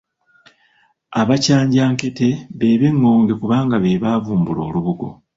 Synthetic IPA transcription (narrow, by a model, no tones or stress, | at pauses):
aβacaːɲɟaːŋke̞te̞βe̞ːβe̞ŋːo̞ːŋɡe̞kuβaːŋɡaβe̞βaːvuːmbulo̞̰ːluβuɡo̞̰